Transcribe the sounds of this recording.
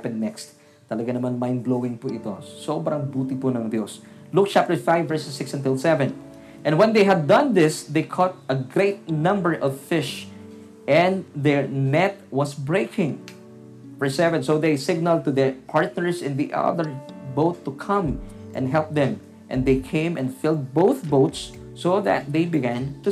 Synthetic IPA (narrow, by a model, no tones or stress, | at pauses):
pɛ̃nːɛkst̪ː | ɐlɐɡanɐmanmãjnblowɪ̃ŋpʊʔɪt̪o̰sobɾɐ̃ŋbuːt̪ɪpunɐŋd̪jos | luk̚t͡ʃap̚t̪ə˞faɪvːɛɹsɛsːɪksɛ̃nt̪ɪlsɛvɛ̃n | ʔɛ̃nwɛ̃nd̪ejɦɐd̪ːʌ̃nd̪ɪsd̪ejkʰɔt̪̚ɐɡɹeɪt̪̚nʌ̃mbəɹʔɔvfɪʃ | ʔɛ̃nd̪ɛɹnɛt̪̚wʌsbɹeɪkʰɪ̃ŋ | fəɹsɛvɛ̃nsoʊðeɪsɪɡ̚nəlˠd̚t̪uðɛɹpʰɑɹt̪̚nəɹsɪ̃nd̪iʔʌ̰ðəɹboʊt̪ːukʰʌ̃mʔɛ̰̃nd̪ɦɛlˠp̚d̪ɛ̃m | ʔɛ̰̃nd̪eɪkʰẽɪ̃mʔɛ̃ndfɪlˠd̪̚boʊθboʊt̪sː | oðæ̰t̪̚d̪eɪbɪɡæ̃nt̪ʊ